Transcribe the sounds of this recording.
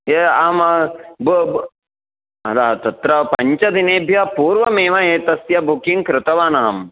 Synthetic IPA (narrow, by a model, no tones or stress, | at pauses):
eaːmb | ɐlaɐt̪ɐt̪ɾɐpɐɲt͡ʃɐd̪ineːbʱjɐɐpuːɾʋɐmeːʋɐeːt̪ɐsjɐbʱukiŋkɾɪt̪ɐʋaːnɐɦɐm